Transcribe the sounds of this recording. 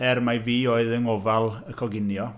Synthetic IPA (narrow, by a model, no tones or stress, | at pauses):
ɛrmajviːoːɨðəŋɔvalˠəkʰɔɡɪnjɔ